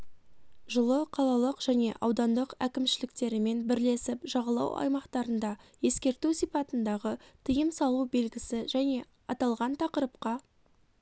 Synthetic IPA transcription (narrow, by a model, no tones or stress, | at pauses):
ʒʊlˠəqʰɑlˠɑlˠəqʒ̥æne̞̰ʔɑ̰wd̪ɑnd̪əqækʲɪmʃɪlɪk̚t̪e̞ɾɪme̞nbɪɾle̞sɪpʒɑʁɑlˠɑ̰wɑ̰jmɑqt̪ɑɾənd̪ɑje̞skʲe̞ɾt̪usijpɑt̪ənd̪ɑʁət̪ʰəjəmsɑlˠube̞lɡʲɪsɪʒæne̞ | ɑt̪ɑlˠʁɑnt̪ʰɑqəɾəp̚qɑ